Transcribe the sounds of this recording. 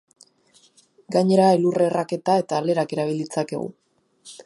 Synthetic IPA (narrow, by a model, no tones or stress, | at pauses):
ɡaɲe̞ɾaelureːrake̞t̪ae̞t̪aːle̞ɾake̞ɾaβ̞ilit͡sake̞̰ɣṵ